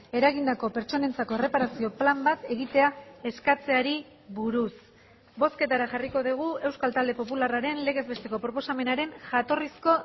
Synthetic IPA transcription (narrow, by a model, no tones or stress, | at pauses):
e̞ɾaɣind̪ako̞pe̞ɾt͡ʃo̞ne̞nt͡sako̞ere̞paɾasio̞plambat̪e̞ɣit̪e̞ae̞skat͡se̞aɾi | βuɾus | bo̞ske̞t̪aɾaʝariko̞ðiɣ̞ue̞wskalt̪ald̪e̞po̞pularaɾe̞nle̞ɣe̞zβe̞st̪e̞ko̞pɾo̞po̞same̞naɾe̞nʝat̪o̞risko̞